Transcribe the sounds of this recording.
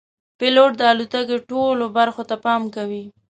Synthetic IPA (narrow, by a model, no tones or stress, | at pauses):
pɪloʈ̚d̪əalut̪akeʈolobaɾxot̪apɑmkawi